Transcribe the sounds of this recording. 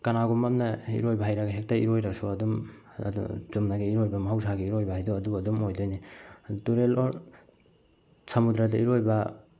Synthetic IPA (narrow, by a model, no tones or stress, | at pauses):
kɐnaɡumamnɐḭɾojbɐɦajɾɐɡɐɦek̚tɐḭɾojɾɐsuɐdum̰ | ṵz̥umnaɡiiɾojbɐmɐɦaws̬aɡiiɾojbɐhajduɐduɡɐdumojdojnituɾeloɾ | sɐmudɾɐdɐiɾojbɐ